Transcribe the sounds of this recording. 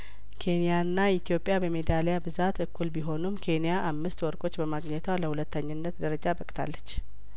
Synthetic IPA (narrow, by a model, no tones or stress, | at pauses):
kʰe̞nijaɨnːait̪ʰjo̞pʼːjabəme̞d̪alejabɨzat̪ʰɨkʰːulbiɦo̞numkʰe̞nijaʔamːɨst̪wɔɾkʼo̞t͡ʃːbəmaɡɲɛt̪ʰwaləhulət̪ːəɲːɨnːət̪d̪əɾəd͡ʒabəkʼt̪ʰa̰lːət͡ʃː